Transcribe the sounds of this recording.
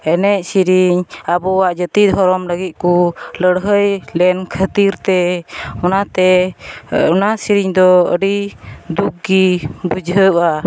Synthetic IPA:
ɛnɛc̚siɾiɲabɔwaʔd͡ʒət̪id̪ʱɦɔɾɔmləɡit̪̚kuləɽɦəjlɛnkʰət̪iɾt̪ɛɔnat̪ɛ | ɔnasiɾiɲd̪ɔə̰ɖid̪uk̚ɡibud͡ʒʱɦəʔa

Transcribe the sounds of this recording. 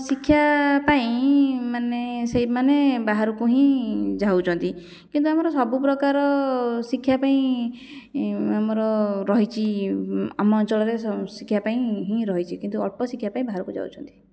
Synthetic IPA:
sikʰːjapaĩmaneseimanebaɦaɾɔkuɦĩd͡ʒawt͡ʃʰɔnt̪i | kint̪uamɔɾɔsɔbupɾɔkaɾɔsikʰːjapaĩ | amɔɾɔɾɔɦit͡ʃʰi | amɔːnt͡ʃɔlɔɾessikʰːjapaĩɦĩɾɔɦit͡ʃʰikint̪uɔpɔsikʰjapaĩbaɦaɾɔkud͡ʒa̰wt͡ʃʰɔnt̪i̥

